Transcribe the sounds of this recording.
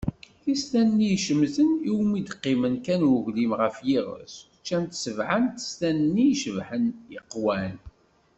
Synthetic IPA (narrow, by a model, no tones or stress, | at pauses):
θist̪ænːijʃəmzəniwmid̪qːimənkænwəʝlimʁəfjiʁə̰s | t͡ʃːænt̪səvʕənt̪st̪ænnːiʃəvħənjəqːwæn